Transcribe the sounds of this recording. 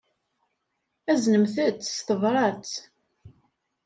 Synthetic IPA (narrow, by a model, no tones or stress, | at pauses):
æznəmθət͡sːst̪əvɾˤɑt͡s